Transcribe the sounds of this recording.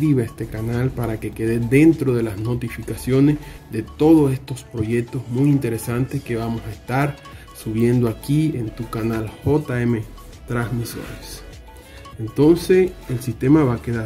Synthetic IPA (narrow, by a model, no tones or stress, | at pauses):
iβeest̪e̞kanalpaɾake̞keðed̪e̞nt̪ɾo̞ðe̞lasno̞t̪ifikasjo̞ne̞zðe̞t̪o̞ðose̞st̪o̞spɾo̞ʝe̞k̚t̪o̞zmujint̪e̞ɾe̞sant̪e̞ske̞βamo̞saest̪aɾ | suβje̞nd̪oakient̪ukanalxo̞t̪aeme̞ | t̪ɾasmiso̞̰ɾes | ent̪o̞nse̞elsist̪e̞maβakeða